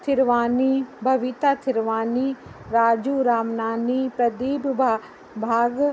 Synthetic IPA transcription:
t̪ʰɪɾʋaːnibʱɐʋit̪aːt̪ʰɪɾʋaːniɾaːd͡ʒuːɾaːmnaːnipɾɐd̪iːbbʱa | bʱaːɡ

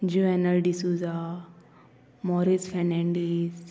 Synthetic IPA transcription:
d͡ʒuɛnəlɖisuza | mɔɾisfɛnɛ̃ɳɖis

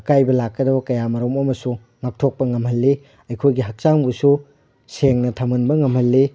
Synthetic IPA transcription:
kajbɐlakːɐdɐbɐkɐjamɐɾomɐmɐsu | ŋak̚tʰok̚pɐŋɐmhɐlːe | ɐjkʰojɡiɦɐk̚saŋbusu | seŋnɐtʰɐmunbɐŋɐmhɐlːe

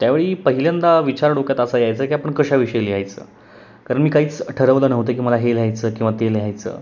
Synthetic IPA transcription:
t̪jaʋeɭiːpəɦiljand̪aʋit͡ɕaɾɽokjat̪əsajajt͡səːkiːapəɳkəɕaʋiʂəjelijajt͡sə̰ː | kaɾəɳmiːkaɦiːt͡sʈʰəɾəʋləːnəʋt̪əːk̬iːməlaɦelɦajt͡səːkĩw̃ʋat̪eleɦajt͡sə̰ː

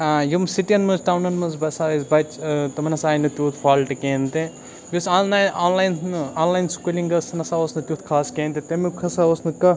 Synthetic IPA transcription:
ajimsiʈiɐnmɐzʈaːwnɐnmɐnzbɐsaːʋɐzbɐt͡ʃt̪ɐmɐnɐsaːjnɐt̪ʲjuːt̪ʰfʰaːlʈɨkeːnt̪e | jusanaaːnlaːjnnɨaːnlaːjnskulʲiŋɡɐsɐnɐsaːosnɐt̪ʲjuːt̪ʰkʰaːskẽːnt̪it̪ɐmikʰɐsaosnɨkɐ

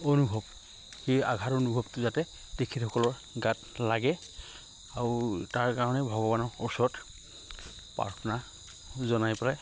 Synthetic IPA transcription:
onubʱɔb | xeja̰ɡʱatonubʱɔbtʊzatɛ | tekʰitxɔkɔlɔɹ | ɡat | laɡɛ | aɹutaɹkaɹɔnɛbʱɔɡɔbanɔɹɔsɔɹɔt | pa̰ɹkʰna | zɔnajpɔla

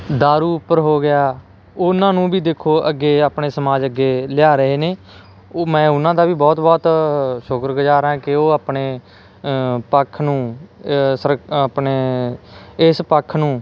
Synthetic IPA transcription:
d̪aːɾuːʊpːəɾɦoːɡɪjaː | ʊnãːnũːbiːd̪eːkʰːoːʔəɡːeːaːpɳeːsəmaːd͡ʒəɡːeːlɪjaːɾəɦeːneː | mɛ̃ːʊnãːd̪aːbiːbɔːt̪bɔːt̪ʃʊkɾɡəd͡ʒaːɾãːkɪoːaːpɳeː | pəkʰːnũː | səɾpneː | ɪspəkʰnũː

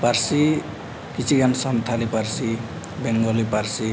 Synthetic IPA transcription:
paɾsi | kit͡sʰiɡansʌnt̪ʰaliparsi | beŋɡʌliparsi

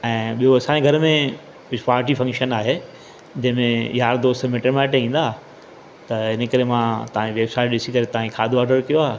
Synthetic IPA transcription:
ɛ̃ːɓijoɐsãːẽɡʱɐɾmẽ | kʊd͡ʑʱʊfaːɾʈ̬ifɐ̃ŋkʃənaːɦe | d͡ʑɐ̃ɦɪ̃mẽjaːɾd̪oːst̪meʈemɛːʈɦĩːn̆d̪aː | t̪ɐɪnə̆kɐɾemãːt̪ɐʋãd͡ʑeʋeːbsaːɪʈɗɪsikɐɾet̪ɐʋãkʰaːd̪ʱoaːɾɖəɾkijoaːɦe

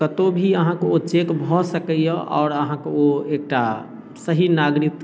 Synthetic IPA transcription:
kət̪obʱiəɦãkeot͡ʃekbʱɔsəkɛjəʔɔ̰ʊɾəɦãkeoek̚ʈa | səɦinaɡɾit̪ː

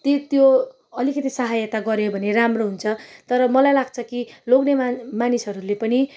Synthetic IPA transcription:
t̪et̪jo | ʌlikʌt̪isʌɦajʌt̪aɡʌɾjebʱʌneɾamroɦunt͡sʰʌt̪ʌɾʌmʌlajlaɡt͡sʰʌkiloɡnemanisɦʌɾulepʌni

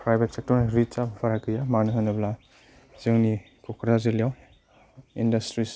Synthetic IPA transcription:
pɾajbʱet̚sek̚tɔɾnɾit͡ʃapbʰaɾakɯjamanuɦɯnabla | ziŋni | kɔkɾazilijaw | indɐstɾis

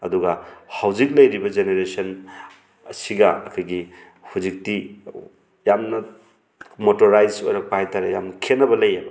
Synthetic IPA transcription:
ɐ̰duɡɐhawd͡ʒik̚lɐjɾibɐd͡ʒeneɾesɐn | siɡɐɐ̰kʰajɡi | hud͡ʒik̚ti | jamnɐ | motoɾajd͡ʒo̰jɾɐk̚pahajtaɾeja̰mnɐkʰenːɐbɐlɐjamɐ

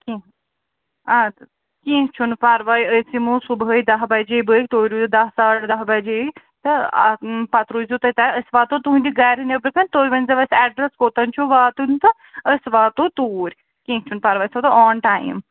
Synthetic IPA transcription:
kĩ | a | kĩːkt͡ʃʰunpaɾʋaːjəsimũsubəid̪ɐɦbɐd͡ʒebəːk̚ʲt̪oːɾuzd̪ɐɦsaːʈd̪ɐɦbɐd͡ʒeː | t̪ɐ̰ | pɐt̪ɾuːzut̪ɐt̪aəsʋaːt̪ot̪uɦnʲd̪iɡaːɾinɐbəɾkɐnʲt̪oːiʋɐnʲzɐʋɐsɛːɖɾɐskoːt̪ɐnt͡ʃʰoʋaːt̪unt̪ɐ | əsʋaːt̪ot̪uːɾʲ | kĩːt͡ʃʰunpaɾʋaːjsɐmt̪ɐɔːnʈaːjḭm

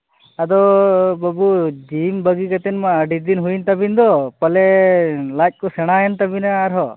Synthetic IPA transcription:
ad̪ɔbəbud͡ʒimbəɡikat̪ɛnmaːɖid̪inɦunt̪abind̪ɔpɐlɛlac̚ˀkɔsɛɽ̃ajant̪abinaːɾɦɔ

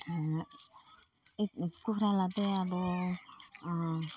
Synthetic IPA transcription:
it̪it̪kuɾaladeabo

